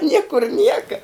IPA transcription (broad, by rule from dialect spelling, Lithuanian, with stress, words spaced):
ˈnʲiɛkʊr ˈnʲiɛkɐ